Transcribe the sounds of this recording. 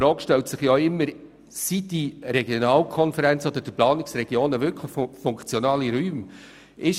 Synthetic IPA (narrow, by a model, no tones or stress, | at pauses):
ɾoːkʃtɛltsɪχjoɪmːəɾ | sitiɾɛɡjonɑːlkʰɔnfəɾænt͡sɔd̪əd̥ɪplɑːnɪksɾɛɡ̥joːnəʋʏɾkʰləχfʊŋkt͡sjɔnɑːliɾyːm | ɪʃ